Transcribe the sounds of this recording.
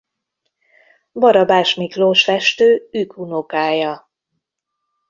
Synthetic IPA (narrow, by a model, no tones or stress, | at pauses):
bɒɾɒbaːʃmikloːʃfɛʃt̪øːykʰunokaːjɒ